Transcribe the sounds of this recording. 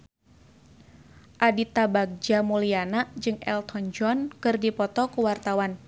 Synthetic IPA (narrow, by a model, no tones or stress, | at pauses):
ʔadit̪abaɡ̚d͡ʒamulianad͡ʒɨŋɛlt̪ʰɔnd͡ʒɔnkɨrdipɔt̪ɔkuwart̪awan